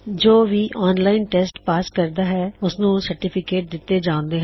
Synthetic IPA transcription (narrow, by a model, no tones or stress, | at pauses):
d͡ʒoːʋiːʔɔːnlaːɪnʈɛːsʈpaːskəɾd̪aːɦɛːʊsnũːsəɾʈɪːpʰɪkeːʈ̚d̪ɪt̪ːeːd͡ʒãːʊ̃nd̪eːɦɛ̃